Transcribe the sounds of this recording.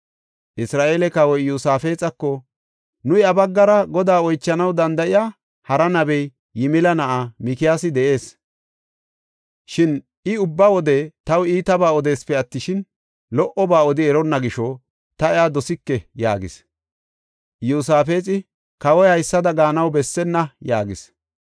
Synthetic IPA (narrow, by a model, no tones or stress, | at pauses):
ʔɪsɾaːʔeːlɛkɐwɔjjuːsaːfe̞ːt͡sʼɐkːɔ | nʊjɐbɐɡːɐɾɐɡɔd̪aːɔjt͡ʃːɐnɐwd̪ɐnd̪ɐɪjaː | hɐɾɐnɐbɛj | jɪmɪlɐnɐʔamɪkɪjaːsɪd̪ɛʔe̞ːs | ʃɪn | ɪʊbːɐwɔd̪ɛt̪ɐwiːt̪ɐbaːɔd̪e̞ːspɛɐt̪ːɪʃɪn | lɔʔɔbaːɔd̪ɪɛɾɔnːɐɡɪʃɔ | t̪ɐɛaːd̪ɔsɪkːɛja̰ːɡɪ̰s | juːsaːfe̞ːt͡sʼɪ | kɐwɔjhɐjsːɐd̪ɐɡaːnɐwbɛsːɛnːɐjaːɡɪ̰s